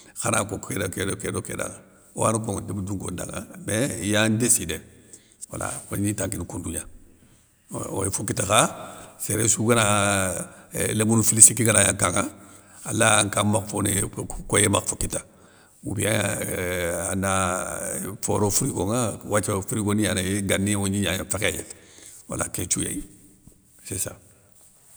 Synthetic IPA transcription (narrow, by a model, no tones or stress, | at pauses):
xanakokedakedokedokḛda̰ŋa | wa̰nukoŋdebuduŋɡonda̰ŋa̰mejandeside | wala̰onitaŋkinkunduɲa | o̰jfukitaxaseɾesuɡana | lemunufilisikːiɡanajaŋkaŋa | alaŋkamakfonekojemakfukita | wṵbia | ana | foɾofuɾiɡoŋawat͡ʃfuɾiɡonijanajeɡanːiwoɲiɲaɲafekejḛwa̰la̰ket͡ʃuja̰i | sesa̰